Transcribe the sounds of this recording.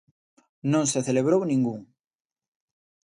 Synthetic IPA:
nõŋseθeleβɾownĩŋɡuŋ

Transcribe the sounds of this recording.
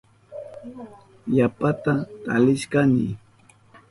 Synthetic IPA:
japat̪at̪alɪʃkanɪ̰

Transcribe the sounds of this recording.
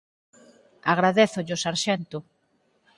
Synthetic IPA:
aɣɾaðeθʊʎʊsaɾʃent̪ʊ

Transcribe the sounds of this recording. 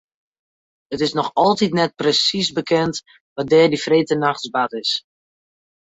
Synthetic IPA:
ətɪsnɔxɔlˠtitnɛt̚prəsisbəkʰɛnt | ʋɔdɛːrdifreːtənaxtsbatɪs

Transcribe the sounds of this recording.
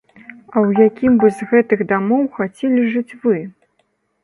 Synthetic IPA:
ɐwjakʲimbɨzɣɛt̪ɨɣd̪amɔwxat͡sʲɛlʲiʐɨt͡sʲvɨ

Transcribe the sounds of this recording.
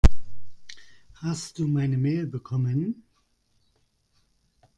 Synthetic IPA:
hastd̥uːmaɪnəmeːlbəkʰɔmən

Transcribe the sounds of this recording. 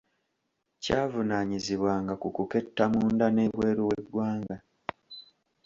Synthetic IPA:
caːvunaɲiziβwaːŋɡakukuke̞tːamuːndane̞βwe̞ːɾowe̞dwaːŋɡa

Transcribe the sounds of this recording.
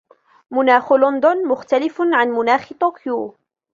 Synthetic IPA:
mʊnaːxʊlʊnd̪ʊnmʊxt̪alɪfʕanmʊnaːxt̪ˤoːkju

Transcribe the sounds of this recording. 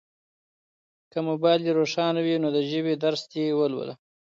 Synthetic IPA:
kəmobɑjliɾoʂɑnawinod̪əʒəbed̪aɾst̪ewəlwə̰la̰

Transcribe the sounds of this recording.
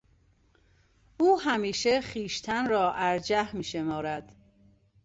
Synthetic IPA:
uːɦæmiːʃeχiːʃt̪ʰænrɒːʔæɾd͡ʒæhmiːʃemɒːɾæd̪̥

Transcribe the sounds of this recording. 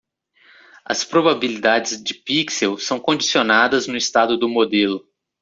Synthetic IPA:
ɐ̰spɾobabilid̪ad͡ʒɪzd͡ʒɪpiksewsɐ̃w̃kõd͡ʒisionad̪ɐznʊist̪ad̪ʊd̪ʊmod̪elʊ

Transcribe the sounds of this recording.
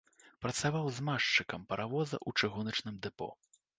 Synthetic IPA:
pɾɐt̪savawzmaʂt͡ʂɨkɐmpɐɾʔavɔzɐ̰ʔut͡ʂɨɣunɐt͡ʂnɨmd̪ɛpɔ̰

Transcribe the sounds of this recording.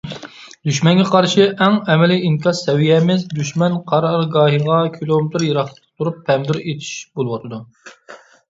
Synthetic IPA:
d̪̥yʃmɛnɡʲɛqʰɑɾʃɪʔɛŋɛmɛliiŋkʲʰɑsɛwijɛmɪzd̪yʃmɛnqʰɑɾɑɾɡɑːɦiʁɑkʲʰilˠomɪt̪ɾjeɾɑχlˠə̥t̪t̪ʰuɾupʰːɛmd̪yɾet̪ʰi̥ʃbolˠɨwɑt̪ʰɨd̪u

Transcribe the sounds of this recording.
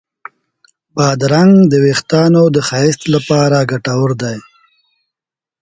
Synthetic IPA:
bɑːd̪ɾaŋɡd̪əwext̪ɑnod̪əxɑɪst̪lapɑɾaɡaʈawəɾd̪aj

